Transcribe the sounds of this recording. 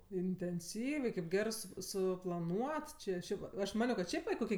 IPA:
ɪnʲtʲɛnʲˈsʲiːʋʲɛɪ kɐɪp ˈɡʲæːrɜ sʊ sʊplˠɐˈnuɔt ˈt͡ʃʲɪ ˈʃʲɛɪp ɐʃ ˈmɑːnʲoː kɐt ˈʃʲɛɪp ʋɐ ɪ ˈkoːkʲɪ

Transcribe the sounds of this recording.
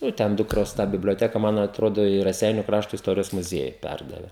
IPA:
ˈjɛʊ tʲɛn ˈdʊkroːs tɑː bʲɪbʲlʲoːˈtʲæːkɐ ˈmɐn ɐtˈroːdoː ɪ rɐˈsʲɛɪnʲʊ ˈkrɑːʃtoː ɪsˈtoːrʲɪjoːs mʊˈzʲiɛjʊ ˈpʲærdɐʋʲɛ

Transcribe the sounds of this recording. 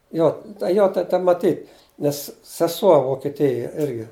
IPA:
ˈjoː tɐ ˈjoː tɐ tɐ mɐˈtʲiːt nʲɛs sʲɛˈsuɔ ʋoːkʲɛˈtʲɪjɛ ˈɪrʲɡʲɪ

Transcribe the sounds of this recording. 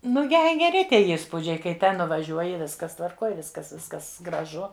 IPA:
ˈnʊ ˈjɛɪ ɡʲɛˈrʲɪ ˈtʲiɛ iːsˈpuːd͡ʒʲɛɪ kɐɪ ˈtʲɛn nʊʋɐˈʒʲuɔjɪ ˈʋʲɪskɐs tʋɐrˈkoːj ˈʋʲɪskɐs ˈʋʲɪskɐs ɡrɐˈʒʊ

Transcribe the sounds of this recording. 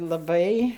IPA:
lˠɐˈbɐɪ

